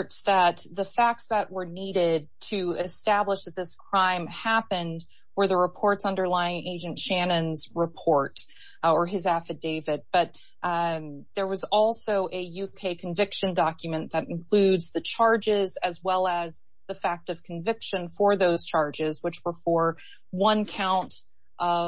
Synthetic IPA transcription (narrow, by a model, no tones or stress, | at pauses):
tsðɨt̪̚ðɨfæk̚tsðɨʔ̚wə˞niɾɪd̚tʰɨɪstæbləʃðɨt̪̚ðɪskʰɹ̥ãɪ̃mhæpɨ̃nd | wə˞ðəɹəpʰɔɹtsʌ̃ndə˞laɪɪ̃ŋʔeɪd͡ʒɨ̃ntʃæ̃nɨ̃nzɹɨpʰɔɹt | ə˞ɨzæfɨt̚d̥eɪvɨd̚b̥ʌt̪̚ | ðə˞wʌzɔlˠsoʊʔɨjʉkʰeɪkʰɨ̃ɱvɪkʃɨ̃ndɑkjɨmɨ̃nðɨɾɨ̃n̩kʰl̥ʉdzðɨt͡ʃʰɑɹd͡ʒɪzɨzwɛlˠəz | ðɨfæk̚tʌv̥kʰɱvɪkʃɨ̃nfə˞ðoʊz̥t͡ʃʰɑɹd͡ʒɪzwət͡ʃwə˞fə˞ | wʌ̃nkʰãʊ̃nt | ʔʌ